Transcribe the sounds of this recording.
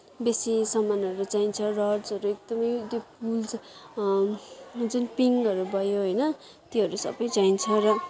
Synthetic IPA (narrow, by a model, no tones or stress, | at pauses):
besisʌmanʌɾut͡saint͡sʰʌrʌɖsʌɾuek̚d̪ʌmʌjt̪jopult͡s | d͡zunpiŋɡʌɾubʱʌjoɦʌjnʌ | t̪eɦʌɾusʌ̰bʌjt͡saint͡sʰʌrʌ